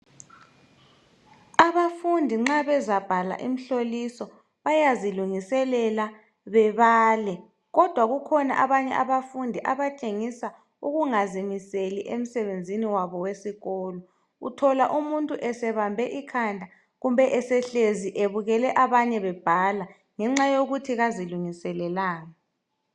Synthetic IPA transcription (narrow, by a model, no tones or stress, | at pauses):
aβafundʱiŋ͡ǁaβɛzab̥ʱala̰ʔim̩ɬolisɔ | βajaziluŋisɛlɛla | βɛβaːlɛ | ɣɔd̥ʱwaɣukʰɔna̰ʔaβaɲɛ̰ʔaβafundʱiʔaβat͡ʃʼeŋisa | uɣuŋazimiseliʔem̩sɛβend͡zʱiniwaβɔwesiɣɔːlɔ | ṵtʰɔlaʔumuntʼuʔɛsɛβambʱɛʔikʰandʱa | ɣumbʱɛʔɛsɛɬeziʔeβuɣɛlɛʔaβaɲɛβɛb̥ʱala | ŋɛŋ͡ǁajoɣutʰiɣaziluŋisɛlɛlaːŋa